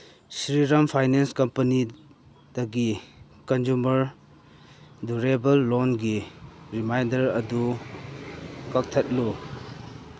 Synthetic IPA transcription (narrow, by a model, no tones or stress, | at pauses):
sɾiɾɐmpʰajnenskɐmpɐni | d̥ɐɡi | kɐnd͡ʒumɐɾ | duɾebɐlːonɡiɾimajndɐɾɐdu | kɐk̚tʰɐt̚lu